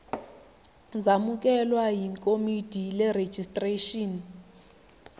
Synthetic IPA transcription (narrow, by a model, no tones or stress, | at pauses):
zamukʼɛlwaɦiŋkʼomid̥ʱilɛre̥d͡ʒ̥ʱistʼreʃɔːn